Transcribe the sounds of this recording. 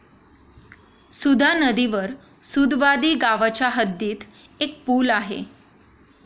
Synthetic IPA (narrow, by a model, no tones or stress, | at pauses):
sud̪ʱanəd̪iʋəɾ | sud̪ʋad̪iːɡaʋat͡ɕaɦəd̪ːiːt̪ | ek̚puːlaɦḛ